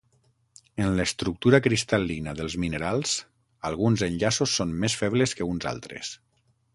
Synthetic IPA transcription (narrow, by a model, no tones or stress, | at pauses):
ənləst̪ɾuk̚t̪uɾakɾist̪alinəðəlˠzminəɾalˠz̥ | alˠɣ̞unzənʎasusːonmesfɛβləskəunza̰lˠt̪ɾḛs